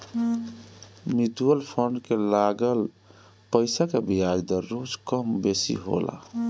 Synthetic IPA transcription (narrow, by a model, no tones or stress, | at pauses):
mit̪uəlpʰəɳɖkelaɡəl | pəɪsakebiɦaɾd̪əɾːod͡ʒkəmbesḭɦo̰la̰